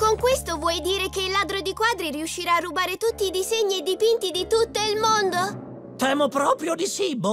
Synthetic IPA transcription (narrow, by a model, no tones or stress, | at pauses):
koŋkwest̪ovwɔjd̪iːɾekeilːaːd̪ɾod̪ikwaːd̪ɾiɾiuʃːiɾaːrːubaːɾet̪ut̪ːiːd̪izeɲːied̪ipint̪id̪it̪ut̪ːoilmond̪o | t̪ɛːmopɾɔːpɾjod̪isibːo